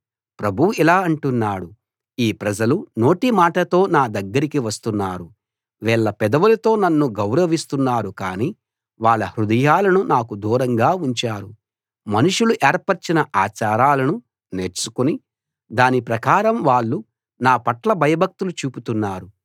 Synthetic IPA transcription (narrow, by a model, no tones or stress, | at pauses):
pɾɐbʱuʋuilaːɐɳʈunːaːɽu | iːpɾɐd͡ʒɐluno̞ːʈimaːʈɐt̪o̞ːnaːd̪ɐɡːɐɾikiʋɐst̪unːaːɾu | ʋɛːɭːɐpɛd̪ɐʋulɐt̪o̞ːnɐnːuɡɐwɾɐʋist̪unːaːɾukaːniː | ʋaːɭːɐhɾud̪ɐjaːlɐnunaːkud̪uːɾɐŋɡaːuɲt͡ʃaːɾu | mɐnuʂuluʔeːɾpɐɾt͡ʃinɐʔaːt͡ʃaːɾaːlɐnu | ne̞ːɾt͡ʃukuni | d̪aːnipɾɐkaːɾɐmʋaːɭːu | naːpɐʈlɐbʱɐjɐbʱɐk̚t̪ulut͡ʃuːput̪unːaːɾu